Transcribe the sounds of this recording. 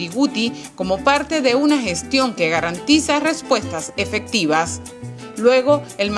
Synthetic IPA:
iɣut̪i | ko̞mo̞paɾt̪e̞ðe̞unaxe̞st̪jo̞ŋke̞ɣaɾant̪isare̞spwe̞st̪ase̞fe̞k̚t̪iβas | lwe̞ɣo̞elm

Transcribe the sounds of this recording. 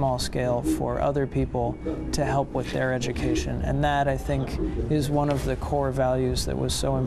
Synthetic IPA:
mɔlˠskeɪlˠfə̰˞ʔʌ̰ðə˞pʰipl̩ˠtʰɨɦɛlˠpwɨðə˞ɛd͡ʒɨkʰeɪʃɨ̃nɨ̰̃nðɨɾaɪθɪ̃ŋkɪzwʌ̃nʌvðɨkʰɔɹvælˠjʉzðɨ̰ʔwʌ̰z̥soʊə̃m

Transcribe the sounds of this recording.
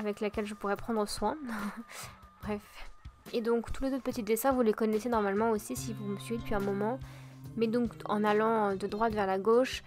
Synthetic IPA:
avɛklakʲɛlʒəpuʁɛpχɑ̃d̪ʁəswɛ̃ | b̥ʁɛfed̪ɔ̃kt̪ulezot̪̚pət̪itd̪esɛ̃vulekɔnɛsenɔʁmalmɑ̃osisivuməsɥed̪əpɥiɛ̃mɔmɑ̃mɛd̪ɔ̃kɑ̰̃nalɑ̃ød̪əd̪ʁwat̪vɛʁlaɡoʃ

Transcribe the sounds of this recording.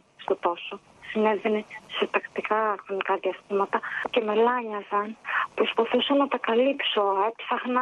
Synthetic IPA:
st̪o̞t̪o̞so | sine̞ðenese̞t̪ɐkt̪ikɐxɾo̞nikɐðiɐst̪imɐt̪ɐce̞melɐɲɐzɐnpɾospɐθusɐnːɐt̪ɐkɐlipso̞epθɐxnɐ

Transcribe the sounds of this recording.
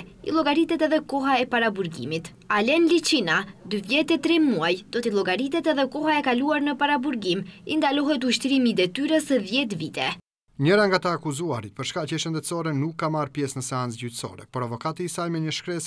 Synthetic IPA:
ḭlˠɔɡaɾit̪ɛt̪ɛðɛkɔɦaɛpaɾabuɾɡḭmit̪ | alɛnlit͡ʃinad̪yvjɛt̪ɛt̪ɾɛmuajd̪̥ɔt̪ilˠɔɡaɾit̪ɛt̪ɛðɛkɔhaɛkaluaɾnəpaɾabuɾɡimind̪alɔɦɛt̪uʃt̪ɾimiːd̪ɛt̪yɾəsəðjɛt̪̬vit̪ɛ | ɲəɾaŋɡat̪aːkuzuaɾit̪̚pəɾʃkacɛʃənd̪ɛt̪sɔɾɛnukːamaɾpjɛsnəsɛant͡sɟyt̪sɔ̰ɾɛ̰pɔɾavɔkat̪iːsalmɛɲəʃkɾɛs

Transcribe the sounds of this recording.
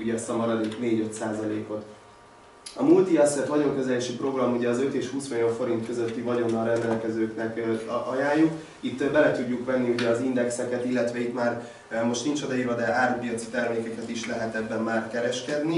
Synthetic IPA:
uɟɛɛst̪ɒmɒɾɒd̪ikneːɟø̞t̪saːzɒleːko̞t̪ | ɒmult̪iɛsɛt̪ʋɒɟo̞ŋkøzɛleːʃipro̞ɡrɒmuɟɛɒzø̞t̪eːʃhuːsmijoɱfo̞ɾint̪kø̞zø̞t̪ːivɒɟo̞nːɒlɾɛnd̪ɛlkɛzøːknɛkːɒjaːjːuk | it̪ːbɛlɛt̪uɟːukʋɛnːiuɟɛɒzind̪ɛksɛkɛt̪ilːɛt̪ʋɛit̪maːr | mo̞ʃt̪nint͡ʃod̪ɒiɾɒd̪ɛʔaːrpijɒt̪si̥t̪ɛrmeːkɛkɛt̪iʃlɛɦɛt̪ɛbːɛmːaːrkɛɾɛʃkɛd̪ni

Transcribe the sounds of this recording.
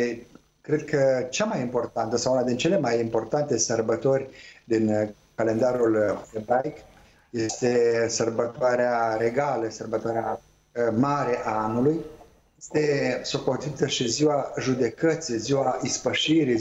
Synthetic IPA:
e | kɾe̞d̪̚kʰət͡ʃamajimpo̞rt̪ant̪əsawunad̪int͡ʃe̞le̞majimpo̞rt̪ant̪e̞sərbət̪o̞rʲd̪in | kale̞nd̪aɾuld̪ebajk | je̞st̪e̞sərbət̪oaɾeaɾe̞ɡaləsərbət̪oaɾea | maɾe̞ʔaanuluj | jest̪e̞sopo̞t̪it̪əʃiziwaʒud̪e̞kət̪sijziwaispəʃiɾi

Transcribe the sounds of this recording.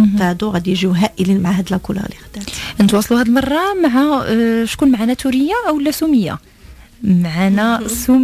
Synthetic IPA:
aʕd̪uɣæd̪jʒiɦæʔəlinmaʕahæd̪lækʊlæ̰lixd̪æʔənət̪wɑsˤluhæd̪əlmɑrˤːɑmaʕaʃkunmaʕanæt̪uɾəjːaʔæwəlːæsuməjːa̰ | maʕanæsum

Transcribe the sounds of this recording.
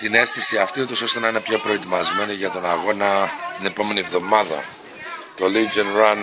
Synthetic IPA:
t̪ine̞sθisiɐft̪iut̪o̞so̞st̪e̞nɐine̞pço̞pɾo̞et̪imɐzme̞niʝɐt̪o̞nɐɣo̞nɐt̪ine̞po̞me̞nivðo̞mɐðɐ̰ | t̪o̞lid͡zenɾɐn

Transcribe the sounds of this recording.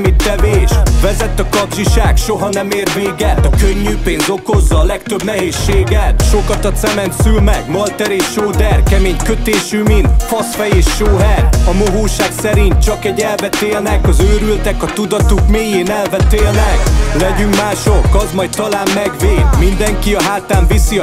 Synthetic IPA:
mit̪ːɛveːʃʋɛzɛt̪ːɒkɒbʒiʃaːkʃoɦɒnɛmeːrveːɡɛt̪ɒkøɲːyːpeːnzo̞ko̞zːɒːlɛkt̪øbnɛɦeːʃːeːɡɛt̪ʃo̞kɒt̪ɒt̪sɛmɛnt̪sylmɛɡmɒlt̪ɛɾeːʃoːd̪ɛrkɛmeːɲkøt̪eːʃyːmint̪fɒsfɛjeːʃːoːɦɛrɒmoɦoːʃaːksɛɾint̪̚t͡ʃɒkɛɟɛlvɛt̪eːlnɛkɒzøːɾylt̪ɛkɒt̪ud̪ɒt̪ukmeːjeːnɛlvɛt̪eːlnɛklɛɟyŋkmaːʃokːɒzmɒjt̪ɒlaːmːɛɡveːd̪mind̪ɛŋkiɒɦaːt̪aːɱvisi

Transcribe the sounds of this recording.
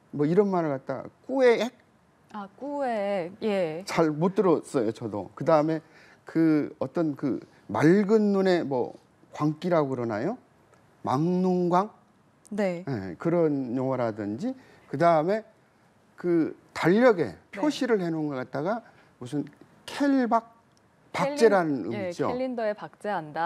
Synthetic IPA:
mʌiɾʌnmaɾɭkat̚t͈aɡa̰k͈ue̞ek̚ | akuejet͡ɕaɭmot͈ɯɾʌs͈ʌjot͡ɕʌdo̰kɯdaɯme̞ | kɯʌt͈ʌnkɯ̰ | maɭɡɯnːune̞mwʌ̰ | kwaŋk͈iɾaɡokɯɾʌnajo | maŋnunɡwaŋ | neje̞̰kɯɾʌnjoŋʌɾadɯnd͡ʑi | kɯdaɯme̞ | kɯtaʎːʌɡe̞̰pʰoɕʰiɾɯɭhenɯnɡʌk͈at̚t͈aɡa | musʰɯn | kʰeɭbak̚ | pakt͡ɕ͈e̞ɾanɯnɯ̰mid͡ʑo̰indepak̚t͡ɕ͈eanda

